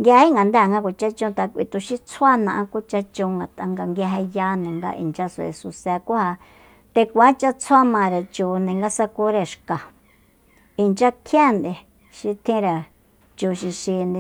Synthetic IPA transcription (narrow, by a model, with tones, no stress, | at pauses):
ŋɡʲhi˦ŋɡa˨nd̪a˦˨ŋɡa˧kʷa˨t͡ʃa˦t͡ʃũ˧t̪a˧kʷḭ˧t̪u˧ʃi˦t͡sʰwa˦nã˧ʔã˧ku˦t͡ʃa˧t͡ʃõ˧ŋɡa˨t̪ã˧ŋɡa˧ŋɡja˧ɦɛ˧ja˦nũ˨ŋɡa̰˧ʔḭ˨nt͡ʃa˧su˧˨ḛ˨su˧sɛ˧kʷu˦ha˧ | t̪e˧kʷa˨˦t͡ʃa˧t͡sʰa˦mã˧˨˧ɾe˨t͡ʃuː˧nẽ˨ŋɡa˧sa˧ku˦ɾe˧ʃka˨ | i˧nt͡ʃa˦kʰjã˦˨nd̪e˧ | ʃi˧t̪ʰĩ˦ɾa˨ | t͡ʃu˧ʃi˧ʃi˧nd̪e˧